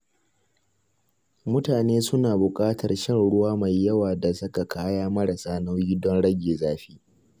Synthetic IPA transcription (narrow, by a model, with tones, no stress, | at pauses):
mʊ˦taː˨neː˦sʊ˦naː˨bʊ˨kʼaː˦tʰɐ˨rʃɪ˦nɽʊ˦waː˦ma˨jːɐ˦waː˨da˨sʊ˦ka˨kʰaː˦jaː˦mɐ˦ɽa˨saː˦na˦wjiː˦dɔ˦nɽɐ˦ɡʲeː˨zaː˦ɸi̥ː˦